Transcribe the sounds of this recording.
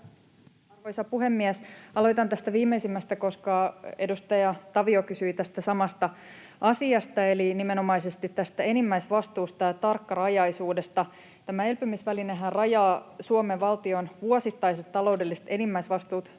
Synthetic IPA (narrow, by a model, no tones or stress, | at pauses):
kojsɑpuhemːiæsɑloit̪ɑnt̪æst̪æʋiːmːeisimːæst̪æko̞skɑedust̪ɑjɑt̪ɑʋiokysyit̪æst̪æsɑmɑst̪ɑ | ɑsiɑst̪ɑelinimeno̞mɑisest̪it̪t̪ːæst̪æe̞nimːæisʋɑst̪uːst̪ɑjɑt̪ɑrkːɑrɑjɑjsuːde̞st̪ɑ | t̪æmæelpømysʋælineɦærrɑjɑːsuomeʋɑlt̪io̞nʋuosit̪ːɑjset̪t̪ːɑlo̞wde̞lːist̪e̞nimːæjsʋɑst̪uːt̪